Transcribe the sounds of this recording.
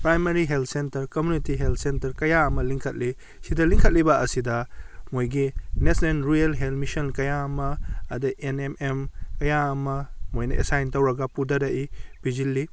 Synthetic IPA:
pɾajmɐɾiɦelt̪ʰsentɐɾkɐmjunitiɦelt̚ʰsentɐɾkɐjaɐmɐliŋkʰɐt̚li | sidɐliŋkʰɐt̚libɐɐsidɐmojɡinesnenɾijɐlɦelmisɐnkɐjaɐmɐːdɐʔenememkɐjaɐmɐmojnɐ̰ʔḛsajntɐwɾɐɡɐpudɐɾɐʔib̥id͡ʒilːi

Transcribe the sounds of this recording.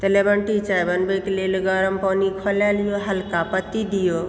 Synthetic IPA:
t̪elebəɳʈit͡ʃajbənbekelelɡəɾəmpɔnikʰolaljoɦəlkapət̪id̪ijo

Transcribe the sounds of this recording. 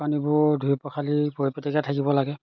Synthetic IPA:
anibʊdʱuipɔkʰalibopetiɡatʰakibɔlaɡɛ

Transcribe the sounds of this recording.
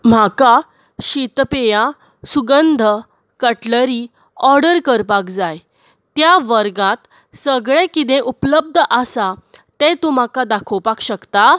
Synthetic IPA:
m̤aka | ɕit̪peja | suɡənd̪ʱə | kəʈləɾiː | ɔɾɖəɾkəɾpakd͡zaj | t̪jaʋəɾɡãt̪ | səɡɭekit̪̬ẽʔupləb̚d̪ʱəʔəsat̪et̪ũm̤akad̪akʰəwpakɕəkt̪a

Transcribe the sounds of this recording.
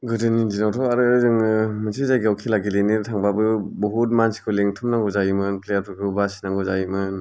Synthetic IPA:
ɡɯdɯnid͡ʒinawtʰɔaɾɯzɯŋɯmɯnsʰizajɡawkʰilaɡilenitʰaŋbabɯbɔɦut̚mansʰi̥kʰɯleŋtʰumnaŋɡɔzajimɯnplejatʰɔkʰɯbasinaŋɡɯzajimɯn

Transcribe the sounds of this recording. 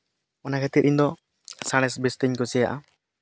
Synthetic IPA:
manakʰɛt̪it̪̚ʔiɲd̪ɔ | saɽ̃ɛsbist̪iɲkusɛjaʔa

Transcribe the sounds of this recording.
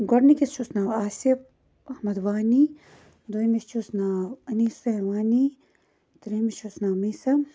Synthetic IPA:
ɡɔɾnikisʃusnaːwaːsif | ɐhmɐd̪ʋaːni | d̪oimist͡ʃusnaːwɐniːseʋaːni | t̪ɾiːmiʃusnaːmiːsɐm

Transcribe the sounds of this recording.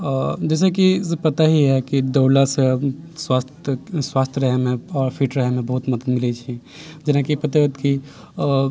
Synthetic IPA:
d͡ʒɛs̬ekisepət̪aɦiɦɛkid̪əwlasəswast̪ʰswast̪ʰjəɾəɦɛmeɔɾpʰiʈɾəɦɛmebəɦut̪məd̪ət̪milɛt͡ʃʰi | d͡ʒenakipət̪at̪ki

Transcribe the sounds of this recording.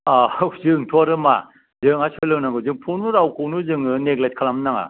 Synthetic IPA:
azɯŋtʰɔaɾɯma̰ | zɯŋasʰɔjlɯnaŋɡɯzɯŋpʰunuɾawkʰunuzɯŋɯneɡlet̚kʰalamnaŋa̰

